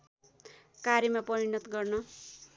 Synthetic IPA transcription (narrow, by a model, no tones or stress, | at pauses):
kaɾimapʌɾinʌt̪ɡʌrnʌ